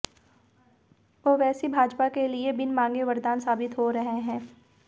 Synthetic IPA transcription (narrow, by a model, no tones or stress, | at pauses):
ʋoːʋɛːsibʱaːd͡ʒpakeliebɪnmãːŋɡeʋɐɾd̪aːnsaːbɪt̪ɦoɾɐɦeɦɛ̃ː